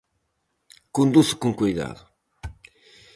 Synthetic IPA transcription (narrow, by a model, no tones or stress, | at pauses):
kũnd̪uskõŋkujða̰ðu